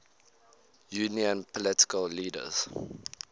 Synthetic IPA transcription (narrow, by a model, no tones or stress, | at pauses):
juːniə̃npʰɔlɪtɪ̥kəlliːdə̰z̥